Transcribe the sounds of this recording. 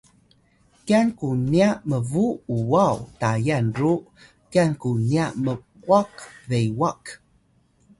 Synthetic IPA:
kiankuniaməvuuwawtajanɾu | kiankuniaməkuakvejwak

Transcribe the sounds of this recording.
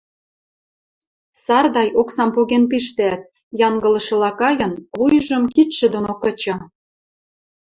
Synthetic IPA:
sɑrd̪ɑjʔoksɑmpoɣenp̬iʃt̪eæt̪̚ | jɑŋɡə̆lɤ̆ʃɤ̆lɑkɑjɤ̆nβujəʒə̆mkit̪ʃĕd̪onokə̆t͡ɕɑ

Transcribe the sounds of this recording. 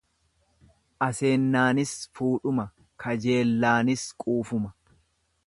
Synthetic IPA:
ʔɐse̞ːnːaːnɪsfuːᶑʊmɐ | kʰɐd͡ʒe̞ːlːaːnɪskʼuːfʊmɐ

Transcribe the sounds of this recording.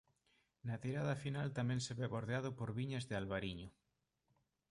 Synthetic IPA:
nat̪iɾað̞afinalt̪amẽnseβeβoɾðeað̞opoɾβiɲazðealβaɾiɲo

